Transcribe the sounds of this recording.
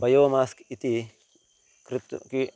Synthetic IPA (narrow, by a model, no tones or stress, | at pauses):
bɐjoːmaːski̥it̪i | kɾit̪ːuki